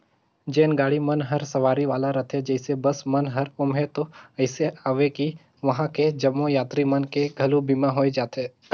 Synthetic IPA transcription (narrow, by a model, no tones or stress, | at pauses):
d͡ʒeːnɡaːɽimɐnɦɐɾsɐʋaːɾiʋaːlaɾɐt̪ʰẽd͡ʒɛɪsebɐsmɐnɦɐɾʊmɦɛt̪oɐɪseaːʋeki | ʋɐɦãked͡ʒɐmːojaːt̪ɾimɐnkeɡʱɐlubiːmaɦoːed͡ʒaːt̪eː